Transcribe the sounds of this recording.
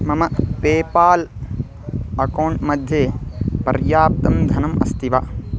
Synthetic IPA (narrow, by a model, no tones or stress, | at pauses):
mɐmɐpeːpaːl | ɐkɐwːɳʈmɐd̪ʱjeːpɐ̰ɾjaːp̚t̪ɐmd̪ʱɐnɐmɐ̰st̪iʋa